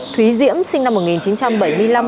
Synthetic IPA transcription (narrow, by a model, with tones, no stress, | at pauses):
t̪ʰwi˨˦zḭ˧˥əmsï˧ŋna˧mːo˨˩t̚ŋi˨˩nt͡ɕi˨˦nt͡ɕa˧mɓə˧˩jmɨ˧ə˧jla˧m